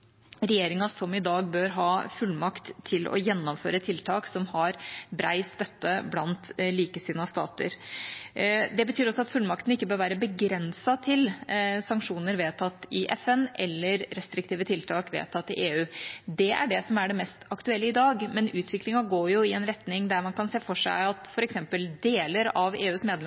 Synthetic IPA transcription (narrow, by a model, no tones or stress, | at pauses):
ɾɛjeːɾɪŋɑsɔmɪd̪ɑːɡbøːɾɦɑːfʉlːmɑkt̪ʰːɪlʔɔ̰jɛnːɔmføːɾət̪ʰɪlt̪ʰɑːksɔmhɑɾbɾæ̰ɪst̪œt̪ːəblɑnt̪liːkəsiːnɑst̪ɑ̰ːt̪ə̰ɾ | d̪ɛbət̪ʰyːɾɔsɔɑt̪fʉlmɑkt̪ən̩ɪkːəbøːɾʋæːɾəbəɡɾɛnsɑt̪ʰɪlsɑŋkʂuːnəɾʋeːt̪ʰɑt̪ːɪʔɛfɛnʔɛlːəɾːɛst̪ɾɪkt̪iːʋət̪ʰɪlt̪ʰɑːkʋḛːt̪ʰɑt̪ːɪʔeːʉːd̪ɛʔæ̰ɖɛsɔmæɖɛmɛst̪ɑkt̪ʉɛlːəɪd̪ɑːɡmɛnʉːt̪ʰʋɪklɪŋɑɡoːɾjʊɪɛnɾɛt̪nɪŋd̪æɾmɑnkʰɑnseːfɔʂæ̰ɪɑt̪fɔɾɛksɛmpəld̪eːləɾɑʋeːʉːsmeːd̪lɛ